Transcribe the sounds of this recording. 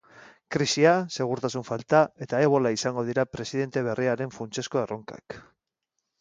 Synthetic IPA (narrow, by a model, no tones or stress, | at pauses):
kɾisiase̞ɣ̞uɾt̪asuɱfalt̪ae̞t̪ae̞β̞o̞laisaŋɡo̞ð̞iɾapɾe̞siðe̞nt̪e̞β̞e̞riaɾe̞ɱfunt͡se̞sko̞eroŋka̰k